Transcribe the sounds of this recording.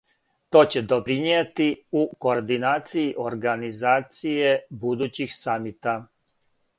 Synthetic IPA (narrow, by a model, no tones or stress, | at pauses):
t̪o̞ːt͡ɕe̞d̪o̞pɾinet̪iuko̞ɾd̪inaːt̪sijiʔo̞ɾɡanizaːt̪sijebud̪uːt͡ɕixsamit̪a